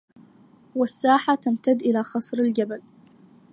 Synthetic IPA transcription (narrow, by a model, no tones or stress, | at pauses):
wasːaːħat̪ʰamt̪ʰad̪ːʔɪlaːxɑsˤɾalɡʲabal